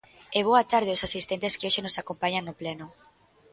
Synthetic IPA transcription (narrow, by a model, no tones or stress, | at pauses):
eβ̞oat̪aɾð̞ɪosasist̪ɛnt̪eskɪoʃenosakompaɲaŋnːoplenʊ